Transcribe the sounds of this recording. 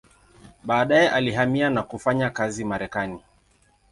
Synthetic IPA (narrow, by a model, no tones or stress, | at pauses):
ɓaːɗajɛʔaliɦamianakufaɲakazimaɾɛkani